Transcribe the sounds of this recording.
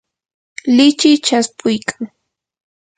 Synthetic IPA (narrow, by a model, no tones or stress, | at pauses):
lɪt͡ʃɪjt͡ʃaspʰʊjkʰḁŋ